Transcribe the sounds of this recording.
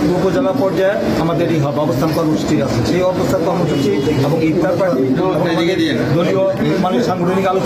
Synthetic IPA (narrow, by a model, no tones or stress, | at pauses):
ɡopod͡ʑalapɔɾd͡ʑae | amad̪eɾniɦɔebɛbost̪ʰankɔɾmosʈiɾasʰeseɔɾbost̪ʰaɾkɔɾmoʃuɾt͡ʃiɛbɔŋɡit̪ːaɾpa | ɛb | ied̪ie | d̪olio | emaneʃaŋɡoʈʰonikalot͡ʃ